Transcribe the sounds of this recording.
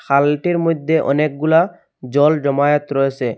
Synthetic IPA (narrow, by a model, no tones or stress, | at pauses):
kʰalʈiɾmojd̪ʱːeʔɔ̰nek̚ɡula | d͡ʑɔld͡ʑɔmajot̪ɾojet͡ɕʰe